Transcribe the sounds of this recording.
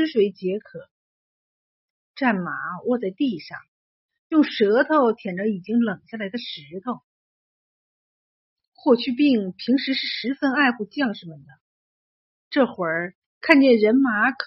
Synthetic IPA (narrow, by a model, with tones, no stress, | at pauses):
ʂwe˧˥ɪt͡ɕjɛ˧˥kʰɤ˨˩˦ | ʈ͡ʂa˥˩nma˧˥wɔ˥˧t͡sa˥˧ɪt̪i˥˧˩ʂɑ̰˥˩ŋ | jʊ˥˩ŋʂɤ˧˥t̪ʰo˥˩ʊt̪ʰjɛ˨˩nʈ͡ʂə˧˥i˨˩t͡ɕi˥ŋlɤ˨˩ŋɕja˥˩la˧˥ɪd̪ə˧ʂɻ̩˧˥t̪ʰo˥˩ʊ | xwɔ˥˧t͡ɕʰy˥˧p̬i˥˩ŋpʰi˧˥ŋʂɻ̩˧˥ʂɻ̩˥˩ʂɻ̩˧˥fə˥na˥˧ɪpu˥˩t͡ɕjɑ˥˩ŋʂɻ̩˥˩mə˨˩d̪ə˩ | ʈ͡ʂɤ˥˩xwə˧˥ | kʰa˥˧nt͡ɕjɛ˥˩nɻə˧˥nma˧˥kʰ